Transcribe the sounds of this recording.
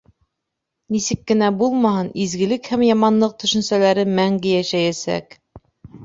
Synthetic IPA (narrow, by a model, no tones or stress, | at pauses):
nisɘkːɘ̆næbulˠmɑhɤnizɡɘ̆lɘkhæmjɑmɑnlˠɤq̚t̪ɵ̆ʃɵ̆nsælæɾɘmæŋɡɘjæʃæjæsæ̰k